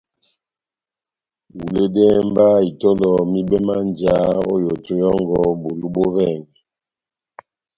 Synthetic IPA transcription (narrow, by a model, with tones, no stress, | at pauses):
wu˨le˦dɛ˦mba˦i˨tɔ˦lɔ˨mi˦bɛ˦ma˦nd͡ʒa˦o̰˦jo˨tu˦jɔ˦ŋɡɔ˦bo˨lu˦bo˦ɾɛ˦˨ŋ˨